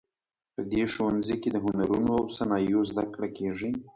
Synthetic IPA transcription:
pəd̪eʃowanziked̪əɦʊnaɾunoawsanɑjozd̪akɽakeʐi

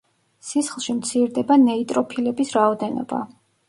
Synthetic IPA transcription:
sisχlˠʃimt̪sʰiɾd̪ɛbanɛit̪ʼɾɔpʰilɛbisɾaɔd̪ɛnɔ̰ba̰

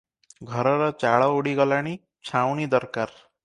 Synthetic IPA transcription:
ɡʱʌɾɔɾɔt͡ʃaɭɔuɽiɡʌlaɽ̃i | t͡ʃʰawnid̪ʌɾkaɾ

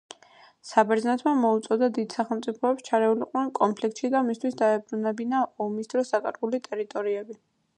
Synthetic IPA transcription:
sabɛɾznɛt̪ʰmamɔut̪sʼɔd̪ad̪id̪̥saχɛlˠmt̪sʼipʰɔɛpst͡ʃʰaɾɛuliqʼnɛnkʼɔnmpʰlik̚ʰt̪ʃid̪amist̪ʰwisd̪aɛbɾunɛbinaʔɔmisd̪ɾɔsakʼaɾɡulit̪ʼɛɾit̪ʼɔɾiɛbi

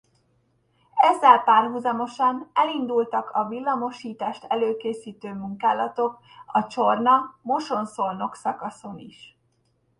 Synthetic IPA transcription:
ɛzːɛlpaːrɦuzɒmo̞ʃɒnɛlind̪ult̪ɒkʰɒvilːɒmo̞ʃiːt̪aːʃt̪ɛløːkeːsiːt̪øːmuŋkaːlɒt̪o̞k | ɒt͡ʃo̞rnɒmo̞ʃo̞nsorno̞ksɒkɒso̞niʃ

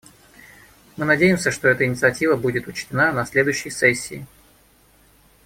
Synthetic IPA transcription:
mɨnɐdʲejɪmsʲəʂt̪o̞ɛt̪əɪnʲɪt̪sɨɐtʲivəbudʲɪt̪ʊt͡ɕtʲɪnanɐsʲlʲed̪ʊjɕːɪjsɛsʲːɪː

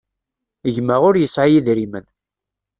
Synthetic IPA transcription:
əʝməʁʊɾjəsʕjiðɾimən

